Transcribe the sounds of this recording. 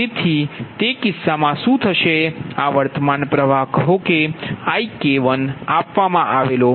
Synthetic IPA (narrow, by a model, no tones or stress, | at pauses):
et̪ʰit̪ekɪsːamãʃũt̪ʰəʃeaʋəɾt̪əmanpɾəʋaɦkəɦokeaikeʋənapʋamãʔaʋelo